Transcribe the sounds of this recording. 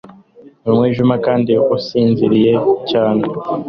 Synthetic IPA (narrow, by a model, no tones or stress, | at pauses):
umweːʒumakaːndiusiːnziɾije̞caːne